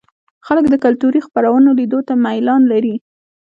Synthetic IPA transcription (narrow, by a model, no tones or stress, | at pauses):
xaləkd̪əkalt̪uɾixpaɾawənolid̪ot̪amajlɑnlaɾi